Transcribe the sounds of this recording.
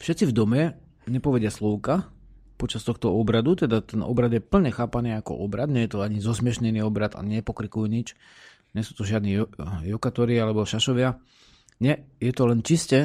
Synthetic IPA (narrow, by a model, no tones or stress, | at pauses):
fʃɛt̪t͡sivd̪ɔmɛ | ɲɛpɔʋɛdɪaslɔʊka | pɔt͡ʃast̪ɔxt̪ɔɔbɾad̪ut̪ɛd̪at̪ɛnʔɔ̰bɾad̪jɛpl̩ɲɛxaːpaniːakɔ̰ʔɔbɾad̪ɲɛjɛt̪ɔaɲizɔsmɪɛʃɲɛniːɔbɾat̪a̰ɲɛpɔkɾikujuɲit͡ʃ | ɲɛsuːt̪ɔʒɪad̪nijɔkat̪ɔɾialɛbɔʃaʃɔʋɪa | ɲɛjɛt̪ɔlɛnt͡ʃiscɛ